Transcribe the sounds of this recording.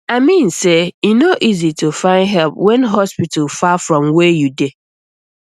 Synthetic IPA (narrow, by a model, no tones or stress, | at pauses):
aɪmĩnsejinoʔizitufãɪ̃ndɦɛlpwɛ̃nɦɔspitalfafɹɔ̃mwɛjude